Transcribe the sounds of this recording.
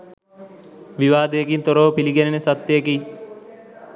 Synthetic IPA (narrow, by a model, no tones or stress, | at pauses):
ʋiʋaːd̪ejɐkint̪oɾoːpiliɡenenesɐt̪ːejɐkiː